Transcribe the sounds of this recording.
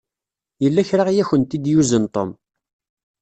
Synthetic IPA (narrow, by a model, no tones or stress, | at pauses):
jəlːæçɾaʁjæçənt̪id̪juzənt̪ˤo̰m